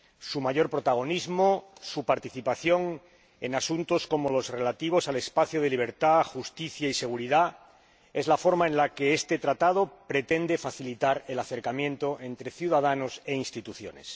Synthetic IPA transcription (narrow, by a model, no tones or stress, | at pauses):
sumaʝo̞ɾpɾo̞t̪aɣ̞o̞nizmosupaɾt̪iθipaθjo̞ŋ | e̞̰nasunt̪o̞sko̞mo̞lo̞zre̞lat̪iβ̞o̞sale̞spaθjoð̞e̞liβ̞e̞ɾt̪axust̪iθjaise̞ɣ̞uɾiða | e̞zlafo̞ɾmaẽnlake̞est̪e̞t̪ɾat̪að̞o̞pɾe̞t̪e̞nd̪e̞faθilit̪aɾe̞laθe̞ɾkamjẽ̞nt̪oʔe̞nt̪ɾe̞θjuð̞aðano̞se̞inst̪it̪uθjo̞̰nes